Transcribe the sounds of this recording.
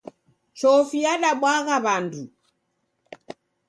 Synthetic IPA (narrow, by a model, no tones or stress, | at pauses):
t͡ʃɔfijaɗaɓwaɣaβandu